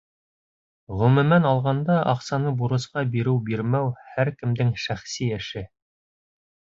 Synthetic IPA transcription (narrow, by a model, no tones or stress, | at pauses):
ʁɵ̆mɵ̆mænɑlˠʁɑnd̪ɑʔɑqsɑnɤbuɾɤ̆sqɑbiɾɘwbiɾmæwhæɾkɘ̆md̪ɘŋʃæχsiæ̆ʃɘ